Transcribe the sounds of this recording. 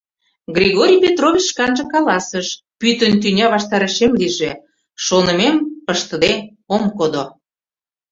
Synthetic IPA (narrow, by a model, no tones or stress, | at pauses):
ɡrʲiɣoɾʲijpʲet̪rovʲit͡ɕʃkɑnʒɤ̆kɑlɑsəʃ | pyt̪ə̆nt̪̬ynʲɑβɑʃt̪ɑɾə̆ʃemliʒe | ʃonə̆mempəʃt̪ə̆d̪e | omkod̪o